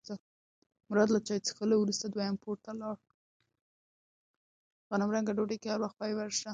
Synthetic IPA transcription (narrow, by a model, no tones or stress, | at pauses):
t̪a | mʊɾɑd̪lat͡ʃɑjt͡sə̥xəlawɾust̪ad̪wajampoɾt̪alɑɽ | ɣanamɾaŋɡaɖoɖajkehaɾwaxt̪̚pajwaɾʃa